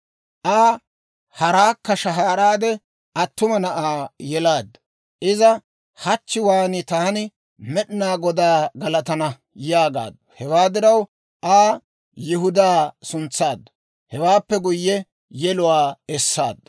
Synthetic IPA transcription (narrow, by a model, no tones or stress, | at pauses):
ʔaː | hɐɾaːkːɐʃɐɦaːɾaːd̪ɛ | ɐt̪ːʊmɐnɐʔaːjɛlaːd̪ːɐ | ʔɪzɐ | hɐt͡ʃːɪwaːnɪt̪aːnɪ | mɛɗɪnaːɡɔd̪aːɡɐlɐt̪ɐnɐ | jaːɡa̰ːd̪ːɔ̥hɛwaːd̪ɪɾɐw | ʔaː | jɪɦʊd̪aːsʊnt͡sːaːd̪ːɐ̥ | hɛwaːpːɛɡʊjːɛ | jɛlʊwaːɛsːa̰ːd̪ːɐ